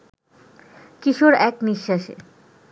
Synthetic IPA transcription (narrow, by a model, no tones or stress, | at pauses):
kiʃoɾɛkniʃːaʃḛ